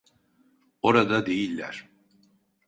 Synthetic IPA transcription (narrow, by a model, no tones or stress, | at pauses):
o̞ɾad̪ad̪e̞jilʲːæ̰ɾ̥